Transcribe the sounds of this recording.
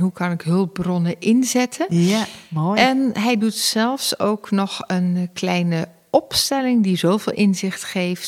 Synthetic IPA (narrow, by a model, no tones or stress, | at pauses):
ɦukɑnɪkɦɵlˠp̚brɔnəʔɪnzɛtʰə | ɛnɦɛjdutsɛlˠfsowknɔxənklɛjnə | ɔpstɛlɪŋdizowvɪ̰ːlˠʔɪnzɪxtχeːjft